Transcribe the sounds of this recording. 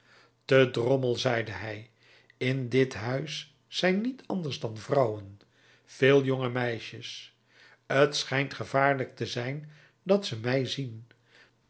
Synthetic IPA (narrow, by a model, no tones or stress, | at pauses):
tədrɔməlˠzɛjdəɦɛj | ɪndɪtɦœɥsː | ɛjnːitʰɑ̰ndəɹzdɑnvrɑwən | v̥ɪːlˠjoŋəmɛjʃəs | ətsχɛjntχəvaːɹlək̚təzɛjn | dɑtsəmɛjzin